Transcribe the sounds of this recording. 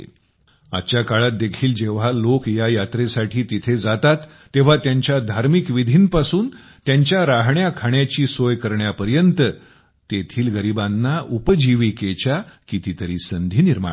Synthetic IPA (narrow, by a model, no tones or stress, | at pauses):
a̰t̪t͡ɕjakaɭat̪̚d̪ekʰiːld͡ʑeʋ̤alokjajat̪ɾesaʈʰiːt̪it̪ʰed͡zat̪at̪ːeʋ̤at̪jaɲt͡ɕjad̪ʱaɾmikʋid̪ʱiːnpasuːn | t̪jaɲt͡ɕjaɾaɦɳjakʰaɳjat͡ɕiːsojkəɾɳjapəɾjənt̪ə | t̪et̪ʰiːlɡəɾibanːaʔupəd͡ʑiʋiket͡ɕjakit̪it̪əɾiːsənd̪ʱiːniɾma̰